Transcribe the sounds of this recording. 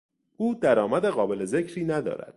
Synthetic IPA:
uːd̪æɾɒːmæd̪eɣɒːbe̞le̞ze̞cʰɾiːnæd̪ɒ̰ːɾæ̰d̪̥̚

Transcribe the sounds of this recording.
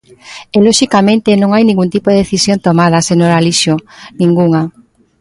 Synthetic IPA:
elɔʃikamẽnt̪enõŋajniŋɡunt̪ipoðeðeθisjont̪omaðɐsenoɾaliʃonĩŋɡuŋa

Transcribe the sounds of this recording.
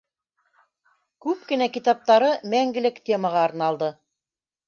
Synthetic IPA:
kʉp̚kɘ̆nækit̪ɑp̚t̪ɑɾɤmæŋɡɘ̆lɘkt̪ʲe̞məʁɑːɾnɑlˠd̪ɤ

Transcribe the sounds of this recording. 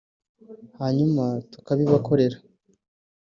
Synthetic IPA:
haːɲumatu̥kaβiβakʰo̞ɾe̞ɾa

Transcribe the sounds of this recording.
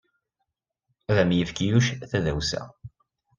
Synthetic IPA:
ðæmjəfkijuʃθæðæwsæ̰

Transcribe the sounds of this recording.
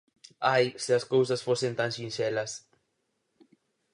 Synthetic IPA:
ajsɪɐskows̬ɐsfosẽnt̪ãŋsĩnsɛlɐs

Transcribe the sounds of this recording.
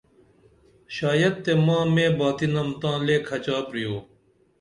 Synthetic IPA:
ʃaːjɐd̪̚t̪ːemãːmẽːbaːt̪inɐmt̪ãːleːkʰɐt͡ɕaːpɾijoː

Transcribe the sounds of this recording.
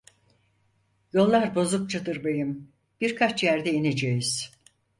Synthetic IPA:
jo̞lˠːaɾbo̞zuk̚t͡ʃʰad̪ɯɾbajɯm | b̥iɾkʰat͡ʃjæɾd̪ɛined͡ʒejiz̥

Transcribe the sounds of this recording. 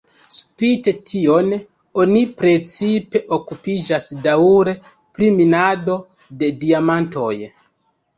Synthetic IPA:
spite̞tʰio̞n | o̞nipɾe̞t͡sipe̞ʔokupid͡ʒasdauɾe̞ | pɾiminado̞ | de̞diamanto̞̰j

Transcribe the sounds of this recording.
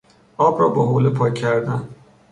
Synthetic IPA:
ɒːbɾɒːbeɦoːlepʰɒːcʰːæɾd̪æn

